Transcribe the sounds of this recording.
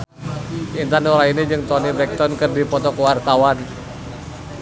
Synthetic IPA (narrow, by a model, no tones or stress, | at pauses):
ʔint̪anuɾainid͡ʒɨŋt̪ɔnibɛk̚t̪ɔnkɨrdipɔt̪ɔkwart̪awan